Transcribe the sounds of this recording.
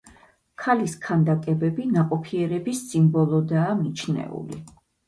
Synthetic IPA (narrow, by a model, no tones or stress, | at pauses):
kʰaliskʰand̪akʼɛbɛbinaqʼɔpʰiɛɾɛbisːimbɔlˠɔd̪aːmit͡ʃʰnɛ̰ṵlḭ